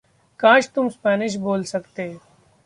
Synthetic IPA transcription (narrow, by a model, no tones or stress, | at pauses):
kãːʃt̪ʊmspɛːnɪʃ̬boːlsɐkt̪eː